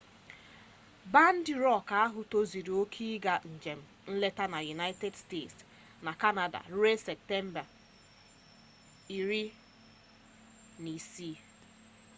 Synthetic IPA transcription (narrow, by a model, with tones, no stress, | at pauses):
ba˦n̩˦dɪ˨ɾɔ˦˨ka˦a˦ɦʊ˨to˦zi˨ɾi˨o˦kʰi˦ɡa˨n̩˨d͡ʒe˨m̩˨n̩˦le˦ta˦na˨ju˨na˦ɪ˦te˦dste˦˨ts | na˨ka˦na˨da̰˨˦e˦se˨p̚te˦m̩˦ba˨ | i˨ɾi˦ | ni˨si˦